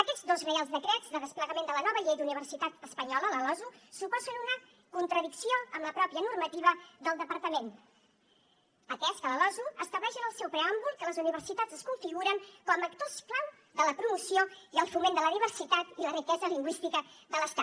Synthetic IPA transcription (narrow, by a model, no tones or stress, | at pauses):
əkɛd͡zðozrəalˠzðəkɾɛd͡zðəðəspləɣəmend̪ələnɔβəʎejd̪uniβ̞ərsit̪at̪əspəɲɔlələlɔzusupɔzənunə | kunt̪ɾəðiksioəmləpɾɔpjənurmət̪iβ̞əðəlˠd̪əpəɾt̪əmen | ək̪ɛskələlɔzuəst̪əβlɛʃənəlˠsɛwpɾəambulˠkːələzuniβərsit̪ad͡zəskuɱfiɣuɾəŋkɔməkt̪osklaw | ðələpɾumusioiəlˠfumend̪ələðiβərsit̪at̪ilərikɛzəliŋɡwist̪ikəðələst̪a